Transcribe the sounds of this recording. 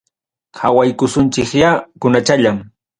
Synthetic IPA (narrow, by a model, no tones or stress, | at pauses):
ha̰wajkʊsʊnt͡ʃɪkjakʊnat͡ʃaʎam